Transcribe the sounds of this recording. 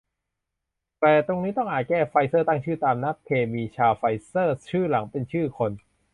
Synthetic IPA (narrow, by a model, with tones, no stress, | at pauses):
t̪ɛː˨˩t̪o˧ŋniː˦˥t̪ɔ˥˩ŋʔaː˨˩kɛː˥˩fa˧jsɤː˥˩t̪aː˥˩ŋt͡ɕʰɯː˥˩t̪aː˧mna˦˥p̚kʰeː˧miː˧t͡ɕʰaː˧wfa˧jsɤː˥˩t͡ɕʰɯː˥˩la˩˦ŋpe˧nt͡ɕʰɯː˥˩kʰo˧n